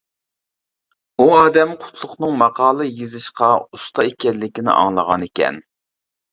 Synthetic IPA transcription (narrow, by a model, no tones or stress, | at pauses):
uɑːd̪ɛmqʰʊ̥t̪ʰlˠʊχnɨŋmɑqɑːlˠɨjezɨʃqɑust̪ɑekʲɛlːɪkʲinɪ̰ʔɑ̰ŋlˠəʁɑnekʲɛ̰n